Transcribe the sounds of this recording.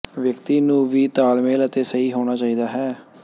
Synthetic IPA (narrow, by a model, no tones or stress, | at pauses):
ʋjəkt̪iːnũːʋiːt̪aːlmẽːlət̪eːsəiːɦoːɽ̃aːt͡ʃaːiːd̪aːɦɛː